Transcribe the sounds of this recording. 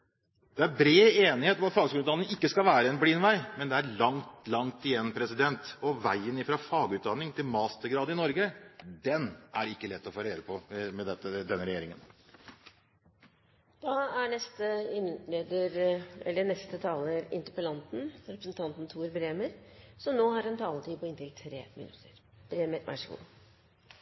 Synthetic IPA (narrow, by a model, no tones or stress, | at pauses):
d̪̥ɛæɾbɾeːeːnɪheːt̪ɔmɑt̪fɑːɡsɡʉnʉt̪d̪ɑnɪŋɪkːəskɑlʋæːɾəɛnbliːnʋæɪmɛnd̪ɛæɾɭɑŋt̪lɑŋt̪ɪjɛnːpʰɾɛsɪd̪ɛnt̪ɔʋæɪənɪfɾɑfɑːɡʉːt̪̚d̪ɑnːɪŋt̪ʰɪlmɑːst̪əɾɡɾɑːd̪ɪnɔɾɡəd̪ɛnʔæ̰ɾɪkːəlɛt̪ːɔfoːɾeːɾəpʰɔmɛd̪ɛt̪ːəd̪ɛnːəɾɛjeːɾɪŋən | d̪̥ɑæɳɛst̪əɪnleːd̪əɾɛ̰lːəɳɛst̪ət̪ʰɑːləɾɪ̰nt̪əɾpəlɑnt̪n̩ɾɛpɾəsən̩t̪ʰɑnt̪n̩t̪ʰuːɾbɾeːməɾsɔnoːhɑɾɛnt̪ʰɑːlət̪ʰiːpʰɔɪnt̪ɾɪɡt̪ʰɾḛːmɪ̰nʉ̰t̪ʰːəɾ | b̥ɾeːməɾʋʔæ̰ʂəkṵ